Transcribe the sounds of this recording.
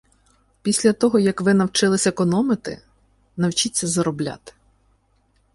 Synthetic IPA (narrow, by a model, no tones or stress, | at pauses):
pʲisʲlʲɐt̪ɔɦɔjɐkʋɪnɐwt͡ʃɪlˠɪsʲɐekɔnɔmɪt̪ɪ̰ | nɐwt͡ʃit͡sʲːɐzɐɾɔblʲa̰t̪ɪ̥